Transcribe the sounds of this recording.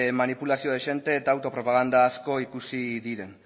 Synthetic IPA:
manipulasio̞ðeʃe̞nt̪e̞ːt̪aːwt̪o̞pɾopaɣ̞and̪aːsko̞ikusiðiɾe̞n

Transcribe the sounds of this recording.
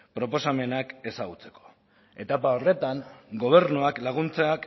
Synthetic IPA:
pɾo̞po̞same̞nake̞saɣut͡se̞̥ko̞̥ | e̞t̪apao̞re̞t̪aŋɡo̞β̞e̞ɾnuaklaɣ̞unt͡seak

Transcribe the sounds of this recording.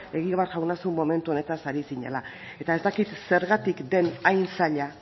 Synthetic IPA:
e̞ɣiaβaɾʝawnasumːo̞me̞nt̪uo̞ne̞t̪asaɾisiɲe̞̰la | e̞t̪ae̞zt̪akit̪se̞ɾɣat̪ikd̪e̞najnsaʎa

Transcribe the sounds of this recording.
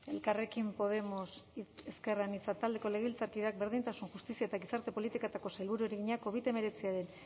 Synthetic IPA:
e̞lkare̞kimpo̞ð̞e̞mo̞seske̞ranit͡sat̪ald̪e̞ko̞le̞ɣilt͡saɾkiðeak̚be̞ɾðint̪asunxust̪isiaet̪aɣisaɾt̪e̞po̞lit̪ikat̪ako̞sajlβuɾueɾeɣiɲako̞β̞it̪e̞me̞ɾe̞t͡siaɾe̞n

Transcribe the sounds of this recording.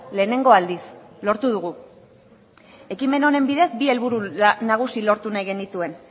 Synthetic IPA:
le̞ːne̞ŋɡo̞ald̪is | lo̞ɾt̪uð̞uɣ̞u | e̞kime̞no̞ne̞mbiðe̞zbie̞lβuɾunaɣ̞usilo̞ɾt̪unajɣenit̪ue̞n

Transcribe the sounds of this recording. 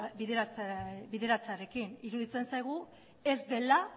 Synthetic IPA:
biðebiðe̞ɾat͡saɾe̞kiniɾuðit͡se̞nsajɣ̞u | e̞zd̪e̞la

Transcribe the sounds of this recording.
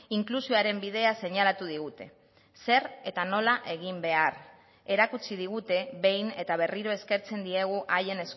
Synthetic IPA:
iŋklusioaɾe̞mbið̞e̞ase̞ɲalat̪uð̞iɣut̪e̞ | se̞ɾe̞t̪ano̞laʔe̞ɣimbe̞ar | e̞ɾakut͡sið̞iɣ̞ut̪e̞βe̞jne̞t̪aβe̞riɾo̞e̞ske̞ɾt͡se̞nd̪ie̞ɣ̞uʔaje̞ne̞s

